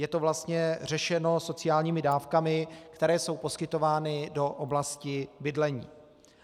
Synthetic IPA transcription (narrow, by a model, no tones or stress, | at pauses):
jɛt̪ovlast̪ɲɛr̝ɛʃɛno̞so̞t͡sɪjaːlɲiːmɪdaːfkamɪkt̪ɛɾɛːso̞wpo̞skɪt̪o̞vaːnɪdo̞ʔoblascɪbɪdlɛɲḭː